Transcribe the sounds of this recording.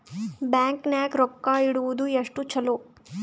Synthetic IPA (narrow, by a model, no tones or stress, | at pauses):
baːŋknaːkɾɔkːaiɽuʋud̪ueʂʈut͡ʃɐlo